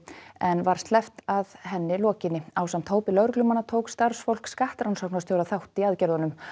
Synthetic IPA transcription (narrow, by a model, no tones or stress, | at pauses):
ɛnvaɾ̥st̪lɛft̪aðɦɛnːɪlɔːcɪnːɪaːwsamt̪ʰoːwpɪlœɾʏklʏmanːat̪ʰowkst̪aɾ̥sfowl̥kskaht̪ɾawnsɔknast̪jowɾaθawht̪iaðcɛɾðanʏm